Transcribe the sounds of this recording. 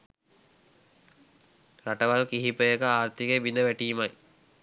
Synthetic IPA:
ɾaʈəʋalkiɦipəjəkəaːrt̪ikeʋinəʋæʈijmaj

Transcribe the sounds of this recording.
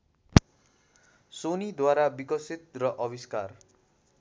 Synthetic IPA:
sonid̪waɾabikʌsit̪̚rʌʔʌbiskar

